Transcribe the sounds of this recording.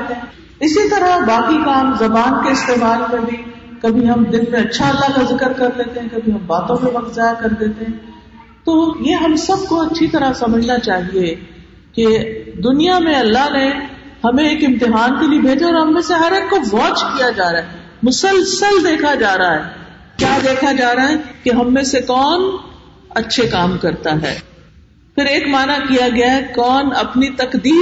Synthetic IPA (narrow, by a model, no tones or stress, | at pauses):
t̪eɦɛ̃ | ɪsit̪ɐɾabaːkikaːmzɐbaːnkeɪst̪eːmaːlmẽbʱi | kɐbʱiɦɐmd̪ɪnmẽɐtːʃʰaɐlːakɐzɪkəɾkɐɾd̪eːt̪ẽɦɛ̃kɐbʱiɦɐmbaːt̪õmẽʋɐkt̪zaːjakɐɾd̪eːt̪eɦɛ̃ː | t̪oːjeɦɐmsɐb̚koɐtːʃʰit̪ɐɾasɐməd͡ʒʱnat͡ʃaːɦie | ked̪ʊnijamẽɐlːaɦnehɐmẽeːkɪ̃mt̪ɪɦaːnkeliebʱeːd͡ʒaɔːɾɦɐmːẽseɦɐɾeːkːoʋɔːt͡ʃkijad͡ʒaːɾaɦɛ | mʊsəlsəld̪eːkʰad͡ʒaːɾaɦɛː | kjaːd̪eːkʰad͡ʒaːɾaaɦɛkeɦɐmːẽsekɔːn | ɐtːʃʰekaːmkɐɾt̪aɦɛ̰ː | fɪɾeːkmaːnakijaɡɐjaɦɛkɔːnɐpnit̪ɐkd̪iː